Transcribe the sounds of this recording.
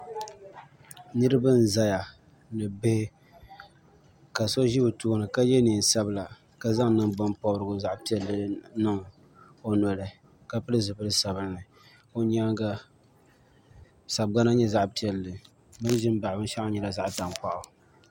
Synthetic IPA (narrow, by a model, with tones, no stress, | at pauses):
nɨ˦ɾɨ˦ba˦n˨za˦ja˨ | nɨ˨be˦ | ka˨so˦ʒi˦bɨ˨tuː˦nɨ˨ka˦jɛ˦niː˨n˨sa˦bɨ˦˨la˨ | ka˦za˦ŋnɨ˨ŋbʊ˦mpɔ˦bɾɨ˨ɡʊ˨za˦ʔpi˦ɛ˦lːɨ˨nɨ˦ŋ | o˦nɔ˨lɨ˨ | ka˦pɨ˦lɨ˦zɨ˨pɨ˦lɨ˦sa˨bɨ˦nːɨ˨ | o˦ɲ˦a˦ŋɡa˦ | sa˨b̚ɡa˦na˦ɲɛ˦za˦ʔpi˨ɛ˨lːɨ˨ | bɨ˦ʒɪ˦m˦ba˨ʔbɨ˦n˦ʃa˦a˦ɲɛ˨la˨za˦ʔta˨mpa˨ʔʊ˨